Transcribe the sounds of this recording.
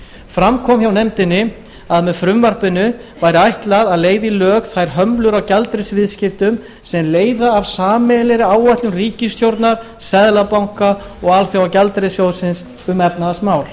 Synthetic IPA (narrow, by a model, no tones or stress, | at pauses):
fɾamkʰɔmçawnɛmt̪ɪnːɪ | aðmɛðfɾʏmvaɾ̥pɪnʏ | vajɾɪajht̪laðaðleːjðilœːkθajɾ̥ɦœmlʏɾawcalt̪ɾɪsvɪðscɪft̪ʏm | sɛmleːjðaːvsaːmɛlɛɾɪaːwvajht̪lʏmriːcɪst̪ʰjowɾt̪naɾ̥ | sɛðlapawŋ̥ka | ɔɣalfjawacalt̪ɾɪsjowsɪns | ʏmɛpnaðasmaːwl